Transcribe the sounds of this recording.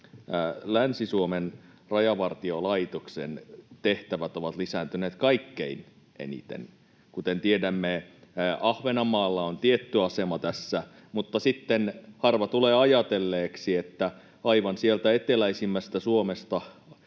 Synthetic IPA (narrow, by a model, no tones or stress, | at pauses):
lænsisuomen | rɑjɑʋɑrt̪iolɑit̪oksḛnt̪eht̪æʋæt̪oʋɑt̪lisæːnt̪yneːt̪kɑikːḛin | ʔḛnḭt̪ḛn | kut̪ent̪iedæmːeɑhʋenɑmɑːlːɑont̪iet̪ːyɑsemɑt̪æsːæ | mut̪ːɑsit̪ːenhɑrʋɑt̪uleːɑjɑt̪elːeːksiet̪ːæ | ɑiʋɑnsielt̪æet̪elæisimːæst̪æsuomest̪ɑ